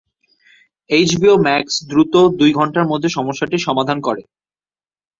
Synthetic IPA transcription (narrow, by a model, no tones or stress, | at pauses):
ejt͡ɕbiomɛksd̪ɾut̪od̪ujɡʱɔɳʈaɾmod̪ʱːeʃɔmoʃːaʈiʃɔmad̪ʱankɔɾe